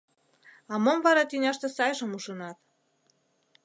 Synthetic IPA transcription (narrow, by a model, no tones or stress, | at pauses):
ɑmomvɑɾɑt̪ynʲɑʃt̪ĕsɑjʒə̆muʃə̆nɑt̪